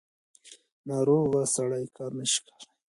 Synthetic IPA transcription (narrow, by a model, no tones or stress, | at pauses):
naɾoɣasaɽajkʰamɪʃkḁ